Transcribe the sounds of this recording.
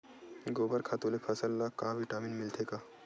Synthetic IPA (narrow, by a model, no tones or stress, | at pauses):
ɡoːbəɾkʰaːt̪olepʰəsəlːakaːʋiʈaːminmɪlt̪ʰekaː